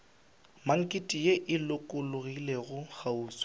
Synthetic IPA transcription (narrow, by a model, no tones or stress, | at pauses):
maŋ̩kʼɪtʼijeʔɪlʊkʼʊlʊɣileɣʊɣauːswɪ̥